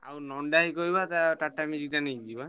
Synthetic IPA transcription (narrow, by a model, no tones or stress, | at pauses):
a̰unɔndaikoibatatatamizitanidiba